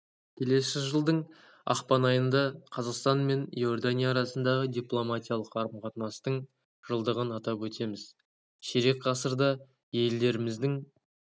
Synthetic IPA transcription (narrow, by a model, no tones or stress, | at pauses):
kʲʰe̞le̞sɪʒəlˠd̪əɴ | ɑ̰qpɑnɑjənd̪ɑqʰɑzɑqst̪ɑnme̞njo̞rd̪anʲijaːɾɑsənd̪ɑʁəd̪ijplˠo̞mat̪ʲijalˠəqɑɾəmqʰɑt̪nɑst̪əɴ | ʒ̥əlˠd̪əʁənɑt̪ɑpwɵt̪ʰe̞mɪz̥ | ʃeɾe̞k̚qʰɑsəɾd̪ɑ | je̞ld̪e̞ɾɪmɪzd̪ɪŋ